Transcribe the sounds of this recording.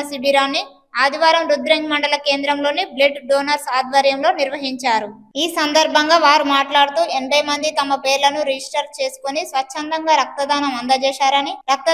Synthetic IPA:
ɐsibʱiɾaːnːi | aːd̪iʋaːɾɐmɾud̪ɾɐŋɡmɐɳɖɐlɐke̞ːnd̪ɾɐmlo̞ːnibleʈɖoːnɐɾsaːd̪ʋɐɾjɐmlo̞ːniɾʋɐɦiɲt͡ʃaːɾu | iːsɐnd̪ɐɾbʱɐŋɡaːʋaːɾumaːʈlaːɽut̪uːʔeɳbɐjmɐnd̪it̪ɐmɐpeːɾlɐnuɾid͡ʒisʈɐɾt͡ʃe̞ːsu̥konisʋɐt͡ʃʰːɐnd̪ɐŋɡaːɾɐk̚t̪ɐd̪aːnɐmɐnd̪ɐt͡ʃɛːʃaːɾɐniɾɐk̚t̪ɐ

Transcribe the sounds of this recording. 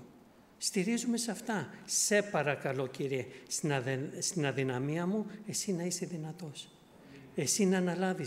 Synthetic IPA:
st̪iɾizume̞sɐft̪ɐse̞pɐɾɐkɐlo̞ciɾiesst̪inɐðinɐmiɐmue̞sinɐise̞ðinɐt̪o̞s | e̞sinɐnɐlɐvi

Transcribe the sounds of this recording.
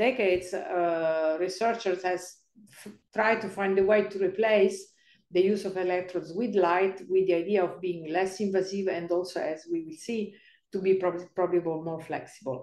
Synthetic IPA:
d̪̥ɛked̪s | ɹisɜɾt͡ʃəɹsɛz | t̪ɾajd̪̚t̪ufãj̃nd̪əwejt̪uɾiplejs | d̪əjuːsɔvelɛk̚t̪ɾɔ̃nswid̪lajt̪wid̪ːiajd̪iaɔvbiĩŋlɛsĩɱvasivɛ̃nd̪ɔlsoɛzwiwilsi | t̪ubippɾɔbabəlmɔɹflɛ̰ksibə̰l

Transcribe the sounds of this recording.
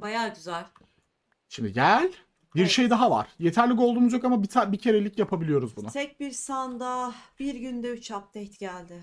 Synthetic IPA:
bajaːɟyzælʲ | ʃimd̪iɟælʲ | biɾʃejd̪aɦava̰ɾ̥je̞t̪ʰæɾlʲicolˠd̪uːmuzjo̞kamabit̪ʰabicʰe̞ɾe̞lʲicjapʰabilijo̞ɾuzbunʊt̪ʰɛc̚biɾsand̪abiɾɟynd̪ɛyt͡ʃʰap̚t̪ɛjt̪ɟælʲd̪ɪ

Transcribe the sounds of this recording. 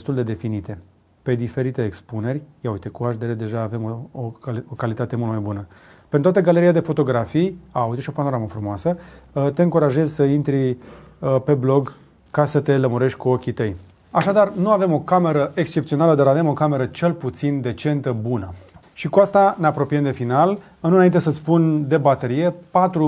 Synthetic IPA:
st̪uld̪e̞d̪e̞finit̪e̞ | pe̞d̪ife̞ɾit̪e̞ːkspune̞rʲjaujt̪ekuaʃd̪eɾed̪e̞ʒaːve̞mookalit̪at̪e̞mult̪majbunə | pet̪at̪əɡale̞ɾiad̪e̞fo̞t̪o̞ɡɾafijaujt̪eʃio̞pano̞ɾaməfɾumoasət̪e̞ɨŋkuɾaʒe̞zʲsəint̪ɾi | pe̞blo̞ɡ | kasət̪e̞ləmuɾe̞ʃt̪ʲkuo̞kʲit̪əj | aʃad̪arnuave̞mo̞kame̞ɾəʔekst͡ʃept̪sio̞naləd̪aɾave̞mo̞kame̞ɾət͡ʃe̞lput̪sind̪e̞t͡ʃe̞nt̪əbunə | ʃikuast̪ane̞apɾo̞piemd̪e̞final | ɨnɨnaint̪e̞sət̪sʲpund̪e̞bat̪e̞ɾije̞pat̪ɾu

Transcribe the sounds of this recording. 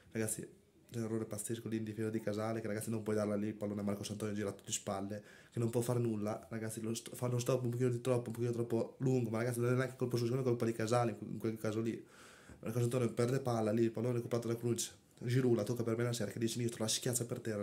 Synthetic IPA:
raɡat̪sːḭ | t͡ʃɛnerːoːɾepat̪sːeskolind̪ifeːzad̪ikazaːlekeɾaɡat̪sːinompwɔjd̪aɾlalipalːoːnamarkosant̪ɔːnjod͡ʒiːɾat̪ːu̥t̪ːispalːe | kenompwɔfaɾnulːaraɡat̪sːilost̪fanːos̬t̪ɔpːoumpokiːnod̪it̪ɾɔpːoumpokiːnot̪ɾɔpːoluŋɡomaɾaɡat̪sinonɛnaŋke̥kolpos̬usikomekolpalikazaleŋḭŋkwelkaːzoli | mʔa̰rkosant̪ɔːnepɛrd̪epalːalilpaloːnakupɾat̪od̪akɾunt͡ʃe̥ | d͡ʒiɾulat̪okːapermenasɛːɾaked̪it͡ʃinist̪ɾolaskjat̪sːapert̪ɛrːa

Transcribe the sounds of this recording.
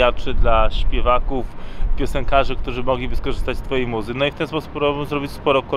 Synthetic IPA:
at͡ʂɘd̪laɕpʲjɛvakufpʲjɔsɛŋkaʐɘkt̪uʐɘmɔɡlʲibɘskɔʐɘst̪at͡ɕst̪fɔjejmuzɘnɔift̪ɛnspɔsu̥puɾɔbɘmzɾɔbʲit͡ɕspɔɾɔkɔ

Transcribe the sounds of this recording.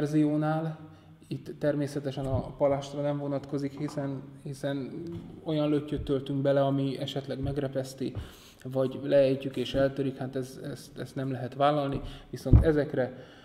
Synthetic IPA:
rzijoːnaːl | it̪ːɛrmeːsɛt̪ɛʃɛnɒpɒlaːʃt̪rɒnɛɱvo̞nɒt̪ko̞zikhisɛnhisɛno̞jɒnlø̞cːøt̪ːølt̪yŋɡbɛlɛɒmiɛʃɛt̪lɛɡmɛɡrɛpɛst̪i | vɒɟlɛɛjcykeːʃɛlt̪øɾikhaːt̪ɛzɛst̪ɛst̪nɛmlɛɦɛt̪ʋaːlːɒlniʋiso̞nt̪ɛzɛkrɛ

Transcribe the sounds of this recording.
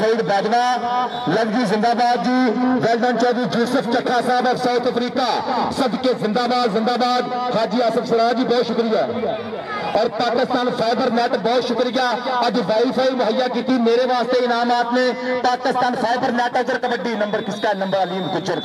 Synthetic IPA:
əiːɖbɛːd̪ʋaː | lɐɡd͡ʒiːzɪ̃nd̪aːbaːd̪̚d͡ʒiːʋɛːlɖə̃ɳt͡ʃɔːd̪iːd͡ʒuːsəpʰt͡ʃəkʰːaːsaːbɔːfsəːt̪ʰəfɾiːkaːsəbkezɪ̃nd̪aːbaːd̪zɪ̃nd̪aːbaːd̪haːd͡ʒiːasəfsɐɾaːd͡ʒiːbɔːt̪ʃʊkɾɪjaː | ɔːɾpaːkɪst̪aːnpʰaːɪbəɾnɛːʈbɔːt̪ʃʊkɾɪjaːɐd͡ʒʋaːipʰaːimʊɦəjaːkiːt̪imeːɾeʋaːst̪eɪnaːmaːt̪nepaːkɪst̪aːnpʰaːɪbəɾnɛːʈəd͡ʒəɾkɐbəɖːinɐ̃mbəɾkɪskaːnə̃mbəɾəliːmkɪt͡ʃəɾ

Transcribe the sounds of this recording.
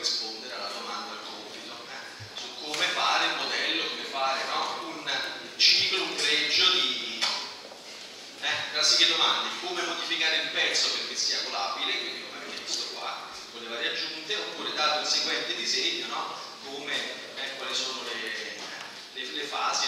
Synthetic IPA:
ispond̪eɾealːad̪omand̪alkoːpit̪o | ɛ | sukːomefaːɾeulmod̪ɛlːokomefaːɾenɔun | t͡ʃiːklouŋpɾɛd͡ʒːod̪i | ɛpɾasiked̪omand̪ekomemod̪ifikaːɾeilpɛt̪sːoperk̟esːiːakolaːbilekwind̪ikomɛveeist̪okwa̰ | voleːvaɾiad͡ʒːunt̪eopːuːɾed̪aːɾeunseɡwɛnt̪ed̪izeɲːonɔ | kome | ɛkwalisoːnole | lelefaːzi

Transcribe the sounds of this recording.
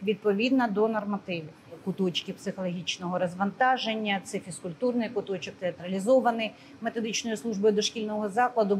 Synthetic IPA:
ʋʲid̪̚pɔʋʲid̪nɐd̪ɔnɐrmɐt̪ɪʋɪ | kʊt̪ɔt͡ʃkɪpsɪxɔlˠɔɦʲit͡ʃnɔɦɔɾɐzʋɐnt̪ɑʒenʲːɐt̪sɪfʲiskʊlʲt̪urnɪjkʊt̪ɔt͡ʃɔk̚t̪eɐt̪ɾɐlʲizɔʋɐnɪj | met̪ɔd̪ɪt͡ʃnɔjislˠuʒbɔjʊd̪ɔʃkʲilʲnɔɦɔzɑklˠɐd̪ʊ

